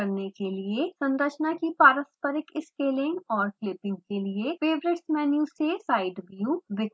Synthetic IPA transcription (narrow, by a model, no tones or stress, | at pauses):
ɐɾnekeliesɐ̃nɾət͡ʃnakipaːɾəspəɾɪkɪskeːlɪ̃ŋɡɔːɾklɪpɪ̃ŋɡ̚keliefeːbɾeʈsmɛːnjusesaːɪɖbjuʋɪk